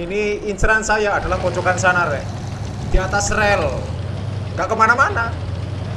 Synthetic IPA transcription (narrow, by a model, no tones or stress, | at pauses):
iniinsɾansajaːd̥a̤lahkot͡ʃokansanarɛ̰ | d̪̥iat̪asrɛl | ŋɡaʔkəmanamana